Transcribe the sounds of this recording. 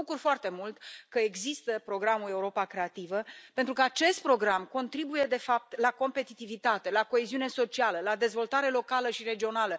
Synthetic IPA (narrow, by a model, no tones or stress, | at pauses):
ukurfoart̪e̞mult̪kəe̞ɡzist̪əpɾo̞ɡɾamule̞uɾo̞pakɾe̞at̪ivəpe̞nt̪ɾukəat͡ʃe̞st̪̚pɾo̞ɡɾamko̞nt̪ɾibuje̞d̪e̞fap̚t̪lako̞mpe̞t̪it̪ivit̪at̪e̞lako̞eziune̞so̞t͡ʃialəlad̪e̞zvo̞lt̪aɾe̞lo̞kaləʃiɾe̞d͡ʒio̞nalə